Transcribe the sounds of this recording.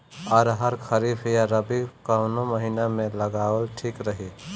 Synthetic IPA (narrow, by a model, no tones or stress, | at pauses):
ɔːɾɦəɾkʰəɾifʰjaɾəbikaʊnoməɦiːnamẽləɡaːwəlʈʰikɾəɦi